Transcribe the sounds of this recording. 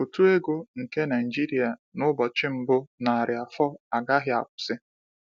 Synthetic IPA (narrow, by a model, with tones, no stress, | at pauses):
o˨tu˦e˦ɡo˦ŋ̩˨ke˦na˨d͡ʒi˦ɾi˨a˨nʊ˦bɔ˨t͡ʃɪ˦m̩˨bʊ˦na˨a˨ɾɪ˨a˨fɔ˦a˨ɡa˦ɦɪ˦a̰˨kʷʊ̥˨sɪ˦